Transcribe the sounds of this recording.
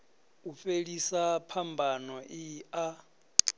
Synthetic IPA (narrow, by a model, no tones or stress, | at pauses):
ufelisapʰambʱanɔʔia